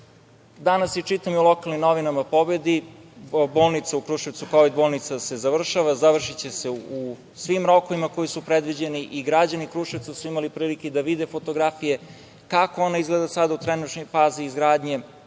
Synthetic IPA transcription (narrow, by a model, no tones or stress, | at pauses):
d̪anasjet͡ʃit̪amiulˠo̞kalˠnimnoʋinamapo̞be̞d̪i | boːlˠnit̪saukɾuʃeʋt̪sukoʋid̪̚boːlˠnit̪sase̞zaʋr̩ʃaʋazaʋr̩ʃit͡ɕese̞u | sʋimɾo̞koʋimako̞jisupɾed̪ʋid͡ʑe̞niʔiɡɾad͡ʑanikɾuʃeʋt̪sasuimalipɾiːliked̪aʋid̪efo̞t̪o̞ɡɾafije | kakoonaizɡled̪asad̪aut̪ɾenut̪nojfaːziːzɡɾaːd̪ɲe̞